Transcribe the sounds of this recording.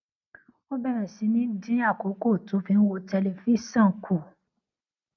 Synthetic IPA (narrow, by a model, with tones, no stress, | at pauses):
o˦bɛ˦ɾɛ̃˨si˨˧nĩ˦dĩ˦a˦˨ko˨˦ko˦˨to˨˦fĩ˨˧n̩˦wo˧tɛ˧le˨fi˦sã˦˨kʰu˨